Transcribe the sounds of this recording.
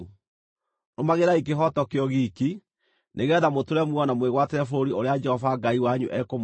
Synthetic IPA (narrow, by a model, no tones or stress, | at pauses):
nomaɣeɾaik̬eɦɔtɔkeɔɣiki | neɣɛðamotoɾɛmwɔnamweɣwateɾɛfoɾioɾead͡ʒɛhɔvaɡaiwaɲṵʔɛkom